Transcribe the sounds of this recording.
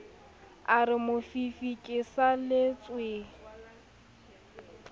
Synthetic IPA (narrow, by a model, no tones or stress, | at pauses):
arɪmʊfifikʼɪsalɪt͡sʼwe